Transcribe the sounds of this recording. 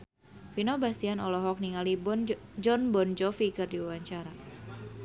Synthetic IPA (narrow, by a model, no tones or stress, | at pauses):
finobast̪ianɔlɔɦɔk̚niŋalid͡ʒɔnbɔnd͡ʒɔfikɨrdiuwaɲt͡ʃaɾa